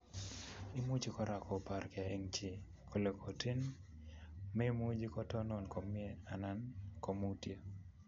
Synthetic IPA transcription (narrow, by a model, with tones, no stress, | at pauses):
i˦mu˦d͡ʒi˦kɔ˦ɾa˨kɔ˨pa˨ɾka˨e˦ŋt͡ʃi˨ | kʰo˨le˨ko˨ti˦n | me˦mu˦d͡ʒi˦kɔ˦tɔ˦nɔ˨nko˨mi˦e˦a˨na˦nko˨mu˦tje˦